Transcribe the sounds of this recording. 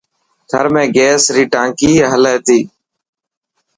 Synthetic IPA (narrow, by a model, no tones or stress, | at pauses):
t̪ʰəɾmẽːɡeːsɾiːʈãːŋkiːɦəleːt̪iː